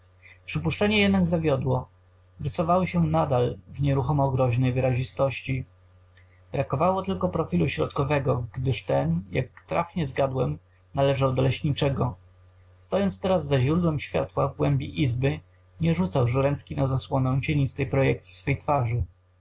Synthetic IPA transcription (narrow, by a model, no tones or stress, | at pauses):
pʂɘpuʂt͡ʂɛɲɛjɛd̪naɡzavʲjɔd̪wɔ | ɾɘsɔvawɔɕɛnad̪alvɲɛɾuxɔmɔɡɾɔʑnɛjvɘɾaʑist̪ɔɕt͡ɕi | b̥ɾakɔvawɔt̪ɘlkɔpɾɔfʲiluɕɾɔ̰t̪kɔvɛɡɔɡd̪ɘʂt̪ɛnja̰kt̪ɾa̰fɲɛzɡad̪wɛm | nalɛʐawd̪ɔlɛɕɲit͡ʂɛɡɔ | st̪ɔjɔntst̪ɛɾazːaʑɾud̪wɛmɕfʲja̰t̪wavɡwɛmbʲiʔizbɘ | ɲɛʐut̪sawʐɾɛnt̪skʲinazaswɔnɛ̃w̃t͡ɕeɲist̪ɛjpɾɔjɛkt̪sʲi̥sfɛjt̪faʐɘ